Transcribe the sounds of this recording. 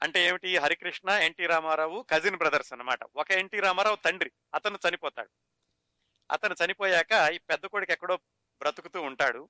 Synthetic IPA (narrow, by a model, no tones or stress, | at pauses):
ɐɳʈe̞eːmiʈiɦɐɾikɾiʂɳɐe̞ɳʈiːɾaːmaːɾaːwukɐd͡ʒinbɾɐd̪ɐɾsɐnɐma̰ːʈɐ̰ɔkɐeɳʈiːɾaːmaːɾaːwut̪ɐɳɖɾi | ɐt̪ɐnut͡ʃɐnipɔːt̪a̰ːɽu | ɐ̰t̪ɐnut͡ʃɐnipoːjaːkɐiːpɛd̪ːɐkoːɽikɛkːɐɽo̞ː | bɾɐt̪ukut̪uːɳʈa̰ːɽu